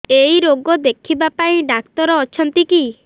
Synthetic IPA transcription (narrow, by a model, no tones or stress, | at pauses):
ejɾoɡɔd̪ekʰibapaĩɖak̚t̪ɔɾɔːt͡ʃʰɔnt̪iki